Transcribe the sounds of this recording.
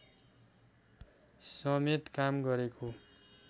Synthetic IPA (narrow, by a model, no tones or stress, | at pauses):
sʌmet̪kamɡʌɾekʰo